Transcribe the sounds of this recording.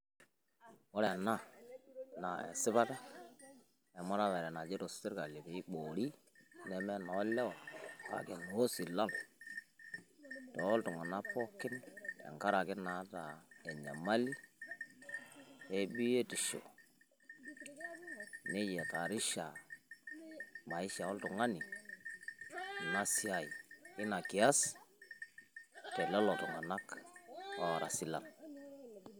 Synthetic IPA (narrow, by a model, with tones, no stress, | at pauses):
ɔ˦ɾɛ˨na˦˨ | na˨ɛ̰˨sɪ˦ba˦ta˦ | ɛ˨mɔ˦ɾa˦βɛ˨ɾɛ˨na˨d͡ʒi˦ɾo˨sti˦ɾka˨li˨be˨i˦k͡po˨ɾi˦ | nɛ˨mɛ˦nɔ˨˦lɛ˦wɔ˨lka̰˦˨ke˨n˨o˦si˨la˦l | tɔ˨˦ltu˨ŋa˨na˦pɔ˦kːɪ˦nɛ̰˨ŋka˦ɾa˨kɪ˦na˨˦ta˨e˨ɲa̰˨ma˦li˦ | e˦bi˦je˦ti˨ʃḛ˨ | ne˦je˨ka˨ɾi˦ʃa˨ | ma˨i˦ʃa˨ɔ˦ltu˨ŋa˦ni˨ | na˦si˦a˦˨i˨i˦na˨ki˨a˦s | tɛ˨lɔ˦lo˨tu˨ŋa˨na˦k | o˦˨ɾa˨si˦la̰˨n